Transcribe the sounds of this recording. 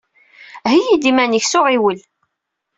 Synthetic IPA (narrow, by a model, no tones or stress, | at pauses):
ɦijid̪imænəçsʊʁiwəl